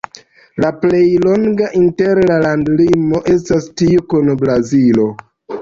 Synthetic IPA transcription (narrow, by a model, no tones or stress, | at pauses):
laple̞jlo̞ŋɡaʔinte̞ɾlalandlimo̞ʔe̞s̬tastiukunbɾazilo̞